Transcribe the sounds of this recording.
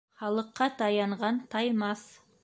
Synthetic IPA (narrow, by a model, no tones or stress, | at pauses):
χɑlˠəqːɑt̪ʰɑjɑɴʁɑnt̪ʰɑjmɑs